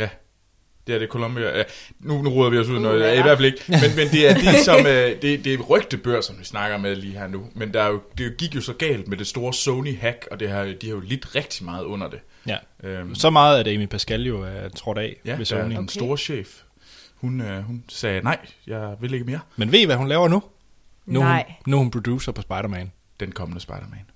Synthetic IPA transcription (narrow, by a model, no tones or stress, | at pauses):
jæ | d̥e̝æɐd̥e̝kʰo̝lɔ̽mb̥iæænunuʁɔːðˠɐʋiɒ̽s̬uð̰ˠnɔ̽ːð̩ˠæiʋæɐ̰fæle̝ɡ̥əmenmend̥e̝æɐd̥esɒ̽mød̥e̝d̥e̝ʁœɡ̥̚d̥əb̥øɐ̰sɒ̽mʋisnɑ̈ɡ̥ɐmeðˠliːhæɐ̰numend̥ɑ̈ɐjo̝d̥e̝ɡ̥iɡ̥jo̝sɒ̽ɡ̥ɛ̰ːld̥̚med̥e̝sd̥o̝ːɐsɔʊniɦæɡ̥ɒ̽d̥e̝hɑ̈d̥ihɑ̈jo̝led̥ʁɛɡ̥̚d̥imɑ̈ːð̩ˠɔ̽n̰ɐd̥e̝ | jæ | ʔøsɒ̽mɑ̈ːð̞̩ˠædemipʰæsɡ̥æljo̝æt͡sʰʁɒ̽ɾ̥ɛ̰ːʋesonnsd̥o̝ːɐɕḛːf | hunøhunsɛːnɑ̈ɪ̰jɑ̈ɪʋe̝leɡ̥əmeɐmenʋe̝̰ːʋæɦunlɛːʊɐnu | nuhnuhunpʰʁod̥jṵːsɐpʰɒ̽sb̥ɑ̈ɪɾɐmɛn | d̥enkʰɒ̽mənəsb̥ɑ̈ɪɾ̥ɐmɛn